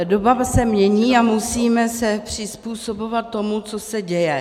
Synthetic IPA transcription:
dobasɛmɲɛɲiːamusiːmɛsɛpr̝̥ɪspuːso̞bo̞vat̪ːo̞mut͡so̞sɛɟɛjɛ

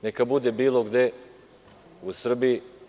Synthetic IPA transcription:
nekabud̪ebiːloɡd̪e̞ | usr̩bii

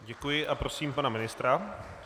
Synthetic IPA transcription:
ɟɛkujɪʔapɾo̞siːmpanamɪnɪst̪ɾa

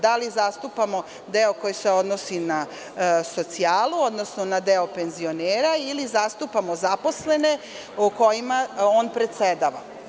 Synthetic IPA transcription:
d̪alizast̪upamo̞ | d̪eoko̞jiseo̞d̪nosina | so̞t̪siaːluo̞d̪no̞snonad̪eope̞nzio̞neːɾailizast̪upamozapo̞sle̞ne̞ | uko̞jimaoːnpɾet̪sed̪aːʋa

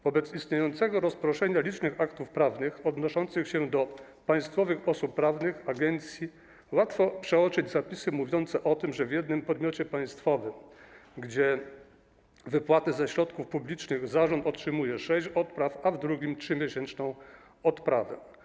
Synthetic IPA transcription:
vɔbɛt̪sist̪ɲejɔnt̪sɛɡɔɾɔspɾɔʂɛɲalʲit͡ʂnɘxakt̪ufpɾavnɘxɔd̪nɔʂɔnt̪sɘxɕɛd̪ɔ | paj̃st̪fɔvɘxɔsupːɾavnɘxaɡɛnt̪sʲji | wat̪fɔpʂɛɔt͡ʂɘd͡ʑzapʲisɘmuvʲjɔnt̪sɛʔɔt̪ɘmʐɛvʲjɛd̪̚nɘmpɔd̪mʲjɔt͡ɕɛpaj̃st̪fɔvɘmɡd͡ʑɛ | vɘpwat̪ɘzɛɕɾɔt̪kufpublʲit͡ʂnɘɣzaʐɔnt̪ɔtʂɘmujɛʂɛɕt͡ɕɔt̪pɾafavd̪ɾuɡʲimtʂɘmʲjɛɕɛnt͡ʂnɔ̃w̃ | ɔt̪pɾavɛ̰

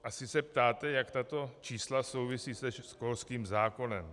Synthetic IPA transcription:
ʔasɪsɛp̚t̪aːt̪ɛjakt̪at̪o̞t͡ʃiːslaso̞wvɪsiːsɛʃskolskiːmzaːko̞nɛm

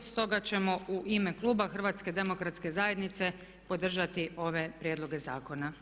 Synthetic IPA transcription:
st̪o̞ɡat͡ɕe̞mo̞uʔime̞klˠuːbaxr̩ʋaːt̪sked̪e̞mo̞kɾat̪ske̞zaːje̞d̪nit̪se̞ | po̞d̪r̩ʒat̪io̞ʋe̞pɾjed̪lˠo̞ɡe̞zaːko̞na

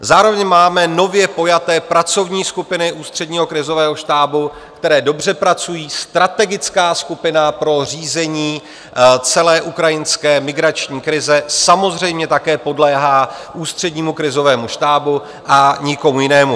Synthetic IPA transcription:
zaːɾo̞vɛɲmaːmɛno̞vjɛpo̞jat̪ɛːpɾat͡so̞vɲiːskupɪnɪʔuːst̪r̝̥ɛdɲiːɦo̞kɾɪzo̞vɛːɦo̞ʃt̪aːbu | kt̪ɛɾɛːdo̞br̝ɛpɾat͡sujiːst̪ɾat̪ɛɡɪt͡skaːskupɪnapɾo̞r̝iːzɛɲiː | t͡sɛlɛːʔukɾajɪnskɛːmɪɡɾat͡ʃɲiːkɾɪzɛsamo̞zr̝ɛjmɲɛt̪akɛːpo̞dlɛːɦaːʔuːst̪r̝̥ɛdɲiːmukɾɪzo̞vɛːmuʃt̪aːbu | ʔaɲɪko̞mujɪnɛːmu

